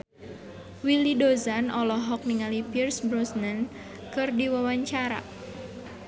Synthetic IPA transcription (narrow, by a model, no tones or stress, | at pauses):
wilidozanʔɔlɔɦɔk̚niŋalipirsbɾɔsnən | kɨrdiwawaɲt͡ʃaɾa̰